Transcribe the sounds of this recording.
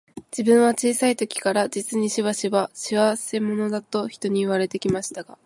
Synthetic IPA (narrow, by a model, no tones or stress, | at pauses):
d͡ʑibɯ̟̃ɰ̃β̞at͡ɕiːsait̪o̞kʲi̥kaɾad͡ʑit͡sɨɲ̟iɕiβaɕiβaɕiβase̞mo̞no̞d̪at̪o̞çi̥t̪o̞ɲ̟iɯβ̞aɾe̞t̪e̞kʲimaɕi̥t̪aɡ̥a